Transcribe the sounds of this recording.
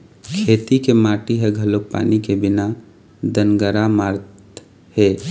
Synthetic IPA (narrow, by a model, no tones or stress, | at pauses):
kʰeːt̪ikemaːʈiɦɛɡʱəlok̚pa̰ːnikebɪna | d̪ənɡəɾamaːɾt̪ | he